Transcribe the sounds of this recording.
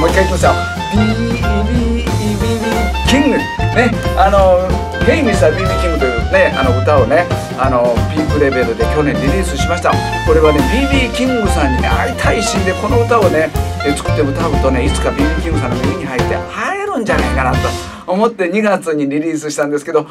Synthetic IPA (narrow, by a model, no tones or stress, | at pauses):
moikait̪ʲːimasjo | b̥ʲibʲibʲiːbʲiːkʲĩŋɡɯ | ne̞ano̞ | hẽ̞iɲːiɕi̥t̪abʲiːbʲiːkʲĩŋɡɯt̪ene̞ano̞ɯ̟t̪ao̞ne̞ | ano̞bʲiːkɯ̟ɾe̞be̞ɾɯ̟d̪e̞kʲo̞nẽ̞nɾʲiɾʲiːsɨɕimaɕi̥t̪a | ko̞ɾe̞βane̞bʲiːbʲiːkʲĩŋɡɯsãɲ̟ːia̰it̪ʰaiɕĩnd̪e̞ko̞no̞ɯ̟t̪ao̞ne̞et͡sɨ̥kɯ̟̥t̪ːe̞ɯ̟t̪aɯt̪o̞ne̞it͡sɨ̥kabʲiːbʲiːkʲĩŋɡɯsanːomiiɲ̟ihait̪ːe̞̰haeɾɯ̟̃ɲd͡ʑana̰ikanat̪o̞ | omo̞t̪ːe̞ɲ̟iɡat͡sɨɲ̟iɾʲiɾʲiːs̬ɨɕi̥t̪ãnd̪esɨ̥ke̞d̪o̞